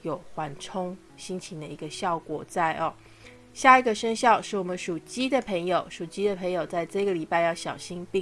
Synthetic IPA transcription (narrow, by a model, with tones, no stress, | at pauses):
jo˨˩ʊxwa˧˥nʈ͡ʂʰʊ˥ŋ | ɕi˥nt͡ɕʰi˧ŋd̪ə˨i˧˥ɡə˧ɕjɑ˥˩ʊkwɔ̰˨˩t͡sa˥˩ɪʔɔ˨˩ | ɕja˥˩i˧˥ɡə˨˩ʂə˥ŋɕjɑ˥˧ʊʂɻ̩˥˩wɔ˨˩mə˦nʂu˨˩t͡ɕi˥d̪ə˨pʰə˧˥ŋjo˨˩ʊʂu˨˩t͡ɕi˥d̪ə˨pʰə˧˥ŋjo˨˩ʊt͡sa˥˧ɪt͡sɤ˥˧ɡə˨li˨˩pa˥˧ɪjɑ˥˩ʊɕjɑ̰˨˩ʊɕi˥npi˥˧